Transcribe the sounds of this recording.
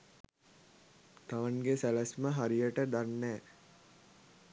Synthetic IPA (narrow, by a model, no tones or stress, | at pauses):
t̪aʋanɡesælæsməɦaɾijəʈəd̪anːɛː